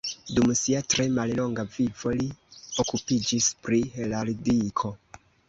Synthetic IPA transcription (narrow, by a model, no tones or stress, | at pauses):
dumsiatɾe̞mallo̞ŋɡavivo̞lio̞kupid͡ʒispɾihelalidikʰo̞